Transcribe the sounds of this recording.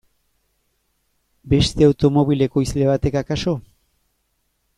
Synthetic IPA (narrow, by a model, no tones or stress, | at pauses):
be̞st̪e̞awt̪o̞mo̞βile̞ko̞isle̞β̞at̪e̞kakaso̞